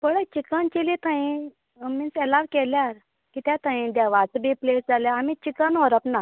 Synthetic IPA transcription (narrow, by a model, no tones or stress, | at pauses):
pəɽət͡ɕikənt͡ɕilit̪ʰãĩ | minselaʋkeljaɾ | kit̪jat̪ʰãĩd̪aʋat͡sbiplesd͡zaljaːmit͡ɕikənɦɔɾəpna